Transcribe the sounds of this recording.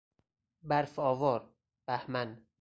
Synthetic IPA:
bæɾfɒːvɒːɾ | b̥æhmæn

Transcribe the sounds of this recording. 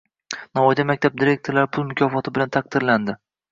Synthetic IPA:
nɒvɒjd̪amak̚ʲt̪ʰab̚d̪iɾe̞k̚ʲt̪ʰoɾlaɾɪpʰʊlˠmʊkʰʲɒfɒt̪ʰɪbɪlant̪ʰaq̚d̪ɪɾland̪ɪ

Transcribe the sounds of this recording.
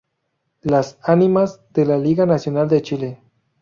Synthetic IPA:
lasanimazd̪elaliɣanasjonald̪et͡ʃile

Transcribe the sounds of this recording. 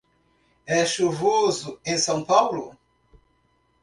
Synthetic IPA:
ɛʃuvozʊẽsɐ̃w̃pawlʊ

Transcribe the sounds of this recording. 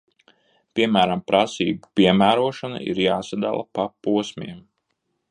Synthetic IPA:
pʲiɛmæːɾampɾasḭːɡupiɛmæːɾuɔʃanṵḭɾjaːsad̪a̰lˠa̰papuɔsmʲḭɛm

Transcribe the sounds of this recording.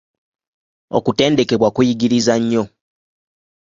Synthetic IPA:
o̰kute̞ːnde̞ke̞βwakujiɡiɾizaɲːo̞

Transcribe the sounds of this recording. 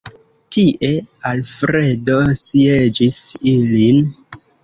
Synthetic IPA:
tiʔe̞alfɾe̞dosied͡ʒisilin

